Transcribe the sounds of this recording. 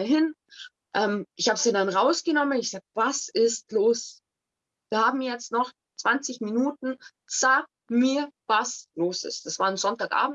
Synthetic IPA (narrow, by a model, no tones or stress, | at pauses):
ɦɪn | ʔɛːmʔɪçhaːbsindanʁaʊsɡ̥ənɔmənɪçz̥aːɡ̚vasɪstloːs | viːɐhaːbm̩jɛt͡stnɔχ | t͡sv̥ant͡sɪçminuːtn̩ | z̥aːk̚miːɐvasloːsɪ̰st̚d̥asv̥aːɐnzɔntaːkʔa̰ːbm̩